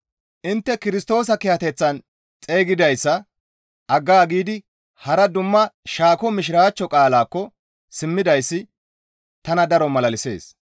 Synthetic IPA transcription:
ʔɪnt̪ːɛkɪɾɪst̪o̞ːs̬ɐkɪjhɐt̪ɛt͡sːɐn | t͡sʼe̞ːɡɪd̪ɐjsːɐ | ʔɐɡːaːɡiːd̪ɪ | hɐɾɐd̪ʊmːɐʃaːkɔmɪʃ̬ɪɾaːt͡ʃːɔkʼaːlaːkːɔ | sɪmːɪd̪ɐjsːɪ | t̪ɐnɐd̪ɐɾɔmɐlɐlɪse̞̰ːs

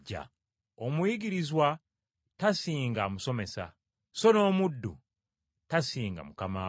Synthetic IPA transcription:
a̰ | omwiɡiɾizwa | tasiːŋɡamuso̞me̞sa̰ | so̞no̞ːmudːṵ | tasiːŋɡa̰mukamaː

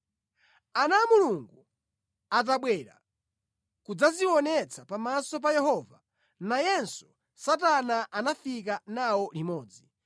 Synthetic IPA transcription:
anamuluŋɡu | at̬aɓwɛɾa̰ | kud͡zaziwɔnɛt͡sʰapamasɔp̬ajɛhɔva | najɛnsu̥ | sat̬anaʔanafik̬anawɔlimɔːd͡zi

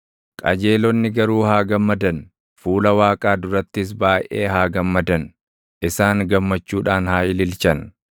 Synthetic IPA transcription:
kʼɐ̰d͡ʒeːlɔnːɪɡɐɾuːhaːɡɐmːɐd̪ɐn | fuːlɐwaːkʼaːd̪ʊɾɐt̪ːɪs̬baːjʔeːɦaːɡɐmːɐd̪ɐn | ʔɪsaːŋɡɐmːɐt͡ʃːuːᶑaːnhaːjɪlɪlt͡ʃɐn

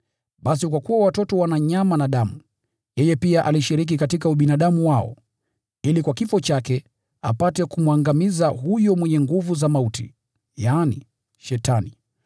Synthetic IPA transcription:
ɓas̬ikwakuwawatɔtɔwanaɲamanaɗamu | jɛjɛpiaʔaliʃiɾik̬ikatikauɓinaɗamuwaɔ̰ | ilikwakifɔt͡ʃakɛ | a̰patɛkumwaŋɡamizaɦujɔmwɛɲɛŋɡuvuzamautḭ | jaːnḭ | ʃɛtani

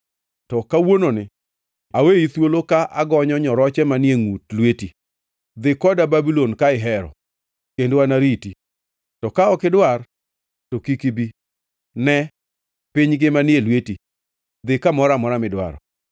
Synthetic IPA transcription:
tɔkawononɪ | aweit̪wolokaʔaɡɔɲɔɲɔɾɔt͡ʃɛmanɪeŋutlweti | d̪ɪkɔdababilonkaɪɦɛɾɔ̰ | kendowanaɾiti | tɔkaɔkɪdwar | tokikibi | nɛ | pɪɲɡɪmanjelweti | d̪ɪkamɔɾamɔɾamɪdwa̰ɾɔ̰

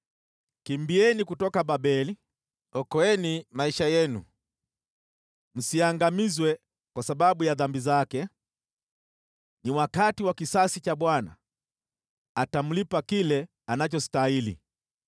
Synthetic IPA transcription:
kimbiɛnikutɔkaɓaɓɛli | ɔkɔɛnimaiʃajɛnṵ | m̩siaŋɡamizwɛ | kwasaɓaɓujaðambizakɛ | niwakatiwakisasit͡ʃaɓwana̰ | atam̩lipakilɛ | anat͡ʃɔstailḭ

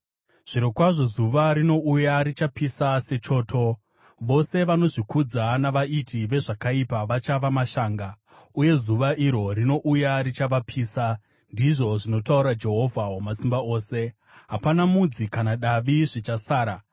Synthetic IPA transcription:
ʐ̥iɾokwaʐo̞zuʋaɾino̞ʔujaɾit͡ʃapisase̞t͡ʃo̞ːtʰo̞ | ʋo̞se̞ʋano̞ʐikud͡zanaʋaitʰiʋe̞ʐakaipaʋat͡ʃaʋamaʃaːŋɡa | uje̞zuʋaʔiɾo̞ɾino̞ʔujaɾit͡ʃaʋapʰiːsa | ndiʐo̞ʐino̞tauɾad͡ʒe̞ɦo̞vʱawamasimbao̞ːse̞ | ɦapanamud͡zikanaɗaʋiʐit͡ʃasaːɾa

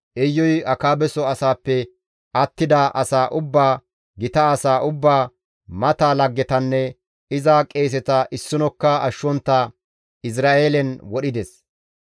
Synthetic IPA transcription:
ʔɛjːɔjɐkaːbɛsɔɐsaːpːɛ | ʔɐt̪ːɪd̪aʔɐsaːʔʊbːaː | ɡɪt̪ɐːsaːʔʊbːaː | mɐt̪aːlɐɡːɛt̪ɐnːɛ | ɪzakʼe̞ːs̬ɛt̪ɐʔɪsːʊnɔkːɐʔɐʃːɔnt̪ːa | ɪs̬ɾaːeːlɛnwɔɗɪd̪ɛs

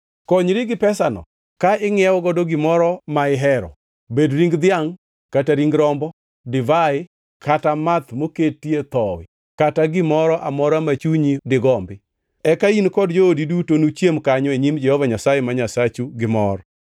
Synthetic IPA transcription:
koɲɾɪɡɪpɛsanɔ̰ | kaɪŋɪɛwɔɡɔdoɡɪmɔɾɔmaɪɦɛɾɔ̰ | bedɾiŋɡd̪ɪaŋ | kataɾiŋɡɾɔmbɔ | dɪvaɪ | kʰatamat̪moketːiet̪ɔwɪ̰ | kataɡɪmɔɾɔʔamɔɾamat͡ʃuɲidɪɡɔmbɪ | ɛkainkɔdd͡ʒoodidutonut͡ʃjemkaɲɔeɲimd͡ʒɛhɔvaɲasajemaɲasat͡ʃuɡɪmɔɾ

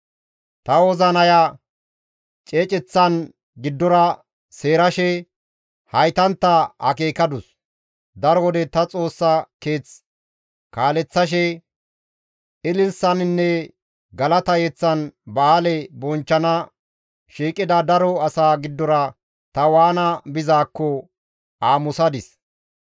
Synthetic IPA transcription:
t̪ɐwɔzɐnɐja | t͡ʃʼeːt͡ʃʼɛt͡sːɐn | ɡɪd̪ːɔɾɐ | se̞ːɾɐʃɛ | hɐjt̪ɐnt̪ːɐhɐ̰ke̞ːkɐd̪ʊs | d̪ɐɾɔwɔd̪ɛt̪ɐt͡sʼo̞ːsːɐkeːt͡s | kaːlɛt͡sːɐʃ̬ɛ | ɪlɪlsɐnɪnːɛ | ɡɐlɐt̪ɐjɛt͡sːɐnbaːlɛbɔnt͡ʃːɐnɐ | ʃiːkʼːɪd̪ɐd̪ɐɾɔɐsaːɡɪd̪ːɔɾɐ | t̪ɐwaːnɐbɪzaːkːɔ | aːmʊsɐd̪ɪs

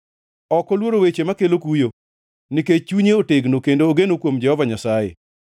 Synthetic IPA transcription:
ɔkɔlwoɾowet͡ʃemakelokujo | niket͡ʃuɲeoteɡnokendoːɡenokwomd͡ʒɛhɔvaɲasajḛ

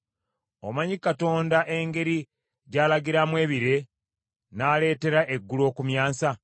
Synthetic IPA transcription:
o̰maɲikato̞ːndaʔe̞ŋɡe̞ɾi | ɟaːlaɡiɾamwe̞ːβiɾe̞ | naːle̞ːte̞ɾaʔeɡːulo̞ːkumjaːsa

